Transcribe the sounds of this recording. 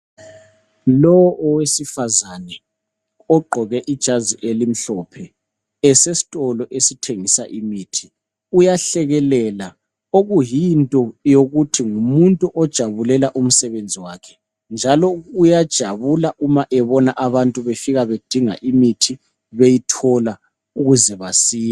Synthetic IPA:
lɔwɔʔɔwesifazanɛ | ɔɡ͡ǃʱɔɣɛʔid̥ʒ̥ʱaziʔelim̩ɬɔpʰɛ | ɛsesi̥tʼɔlɔʔesitʰeŋisaʔimiːtʰi̥ | ujaɬɛɣɛlɛla | oɣujintʼɔjoɣutʰiŋumuntʼuʔɔd̥ʒ̥ʱaβulɛlaʔum̩sɛβend͡zʱiwakʰɛ̥ | nd͡ʒʱalɔujad̥ʒ̥ʱaβulaʔumaʔɛβɔnaʔaβantʼuβefiɣaβed̥ʱiŋa̰ʔimitʰi | βejitʰɔla | uɣuzɛβasiː

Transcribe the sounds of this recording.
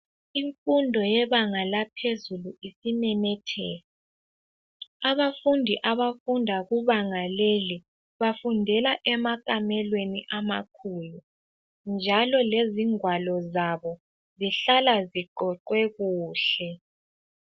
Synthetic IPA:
iɱfundʱɔjɛβaŋalapʰezuluisimɛmɛtʰɛ̰ːla | aβafundʱiʔaβafundʱaɣuβaŋaleli | βafundʱɛlaʔɛmakʼamɛlweniʔama̰kʰulu | nd͡ʒʱalɔleziŋwalɔzaβɔ | ziɬalaziɡ͡ǃʱɔǃwɛɣuːɬɛ

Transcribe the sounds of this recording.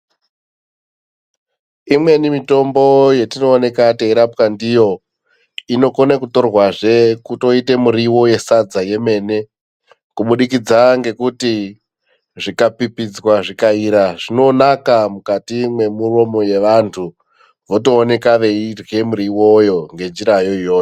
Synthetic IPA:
imwe̞nimito̞mbo̞je̞tinoːne̞kateiɾapkandijo̞ | ino̞konekuto̞rwaʐe̞kuto̞ite̞muɾiwo̞je̞sad͡zaje̞me̞ːne̞ | kuɓuɗikid͡zaŋɡe̞kuti | ʐikapipid͡zwaʐikaiɾaʐino̞nakamukatimwe̞muro̞mo̞je̞ʋantʰu | ʋo̞to̞ːne̞kaʋe̞irɣe̞muɾiwo̞jo̞ŋɡe̞nd͡ʒiɾajo̞ijoːjo

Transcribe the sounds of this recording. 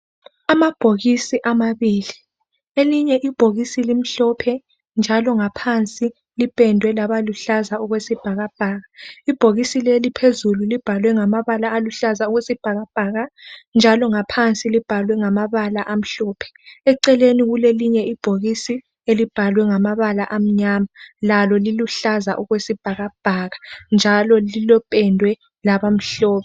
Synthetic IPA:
amab̥ʱoɣisiʔamaβili | eliɲɛʔib̥ʱoɣisilim̩ɬɔpʰɛ | nd͡ʒʱalɔŋapʰant͡sʼi | lipʼɛndʱwɛlaβaluɬazauɣwesib̥ʱaɣab̥ʱaːɣaib̥ʱoɣisilelipʰezululib̥ʱalwɛŋamaβalaːluɬazauɣwesib̥ʱaɣab̥ʱaːɣand͡ʒʱalɔŋapʰant͡sʼilib̥ʱalwɛŋamaβalaʔam̩ɬɔːpʰɛ̥ɛǀɛleniɣuleliɲɛib̥ʱoɣisi | elib̥ʱalwɛŋamaβalaʔam̩ɲamalalɔliluɬaza̰ʔuɣwesib̥ʱaɣab̥ʱaːɣand͡ʒʱalɔlilɔpʼɛndʱwɛ | laβam̩ɬɔːβɛ

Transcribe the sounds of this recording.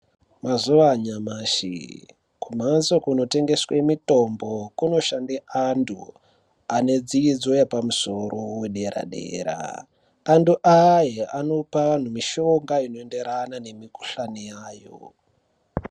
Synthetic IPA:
mazuʋaɲamaːʃḭ | kum̤anzokuno̞te̞ŋɡe̞swemito̞mbo̞kuno̞ʃandeʔandṵ | ane̞d͡ziid͡zo̞jepamuso̞roweɗe̞ɾa̰ɗe̞̰ɾa̰ː | nduʔajeano̞paʋan̤umiʃoŋɡaino̞e̞nde̞ɾanane̞miku̥ɬanijaːjo̰

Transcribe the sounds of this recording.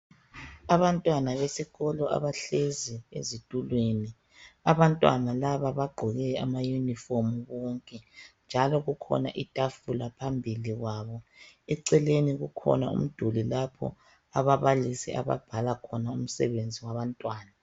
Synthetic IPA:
aβantʼwanaβesiɣɔlɔa̰βaɬeziḛzitʼulweni | aβantʼwa̰nalaβaβaɡ͡ǃʱɔɣɛamajunifomuɣɔŋkʼɛnd͡ʒʱalɔɣukʰɔ̰naʔitʼafulapʰambʱiliɣwaːβɔɛǀɛleniɣukʰɔ̰naṵm̩d̥ʱulilapʰɔ̰ | aβaβalisiʔa̰βa̰b̥ʱalakʰɔnaum̩sɛ̰βend͡zʱiwaβantʼwaːna

